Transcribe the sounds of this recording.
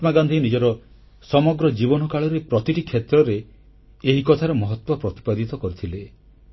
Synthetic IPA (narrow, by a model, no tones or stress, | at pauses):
t̪maɡand̪ʱinid͡ʒɔɾɔ | sɔmɔɡɾɔd͡ʒibɔnɔkaɭɔɾepɾɔt̪iʈikʰːet̪ɾɔɾe | eɦikɔt̪ʰaɾɔmɔɦɔt̪wɔpɾɔt̪i̥pad̪it̪ɔkɔɾit̪ʰile